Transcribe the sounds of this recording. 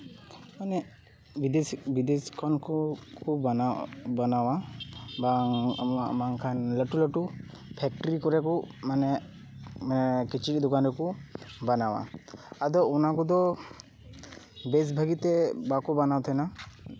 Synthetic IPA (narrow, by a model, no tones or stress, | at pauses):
manɛ | bid̪ebid̪eskʰɔnkkɔ | banawaba | maŋkʰanləʈuləʈu | pʰɛk̚ʈɔɾikɔɾɛkɔmanɛ | kit͡ʃʰid̪ɔkanɾɛkɔbanawa̰ad̪ɔunakɔd̪ɔ | bes̬bʱaɡit̪ɛbakɔbanawt̪ʰana